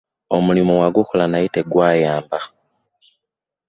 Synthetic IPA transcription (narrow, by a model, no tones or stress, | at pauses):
omulimowaɡukolanaiteɡwaːjaːmba